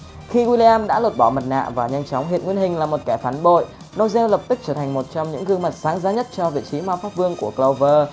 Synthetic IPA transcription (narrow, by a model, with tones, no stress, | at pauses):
xi˧ɣwi˧li˧aː˧mɗa̰ː˧˥lo˨˩t̚ɓɔː˧˩mə˨˩t̚na̰ː˧˨vaː˨˩ɲa˧jnt͡ɕɔ˨˦wŋ͡mɦḭ˧˨ənŋwi˧ənɦï˨˩ŋ̟laː˨˩mo˨˩t̚kɛ˧˩faː˨˦nɓo̰˧˨j | no˧wzɛ˧wlə˨˩p̚t̪ɨ˦˥k̚t͡ɕəː˧˩t̪ʰjŋ̟mo˨˩t̚t͡ɕɔ˧wŋ͡mɲɨ̰˧˥ŋɣɨ˧əŋma˨˩t̚saː˨˦ŋzaː˨˦ɲə˦˥t̚t͡ɕɔ˧vḭ˧˨t͡ɕi˨˦maː˧faː˦˥p̚vɨ˧əŋku˧˩əklə˧wvəː˧